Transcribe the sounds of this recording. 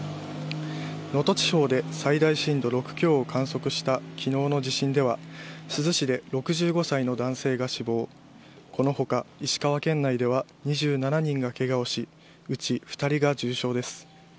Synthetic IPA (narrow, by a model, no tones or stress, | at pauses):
no̞t̪o̞t͡ɕi̥ho̞ːd̪e̞said̪aiɕĩnd̪o̞ɾo̞kɯ̟̥kʲo̞ːkʰãɰ̃so̞kɯ̟ɕi̥t̪akʲʰino̞ːno̞ʑiɕĩnd̪e̞β̞asɨzɨɕid̪e̞ɾo̞kɯ̟ʑɨːɡo̞saino̞d̪ãɰ̃se̞ːɡaɕibo̞ː | ko̞noho̞kaiɕi̥kaβ̞akẽ̞nːaid̪e̞βa | ɲ̟iʑɨːnanaɲ̟ĩŋɡake̞ɡao̞ɕi | ɯ̟t͡ɕiɸɯ̥t̪aɾʲiɡad͡ʑɨːɕo̞ːd̪e̞sɨ̥